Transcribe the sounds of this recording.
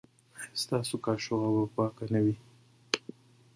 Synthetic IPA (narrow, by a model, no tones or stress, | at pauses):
st̪ɑːsokɑʃoɣawapɑkanawi